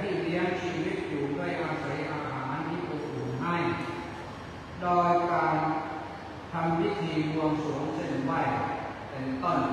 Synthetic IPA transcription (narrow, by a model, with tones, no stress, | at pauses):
t̪ʰiː˧˥˩li˦˥əŋt͡ɕʰiː˧wi˦˥t̪̚juː˨˩du˥˩əjʔaː˧sa˩˨˦jʔaː˧ɦaː˩˦nt̪ʰiː˥˩pʰuː˧˩k̚uː˨˩ŋɦa˥˩j | doː˧jkaː˧n | t̪ʰa˧mwi˦˥t̪ʰiː˧ɾu˧əmsu˩˦əŋse˧˩nwa˧˩j | pe˧nt̪o˥˩n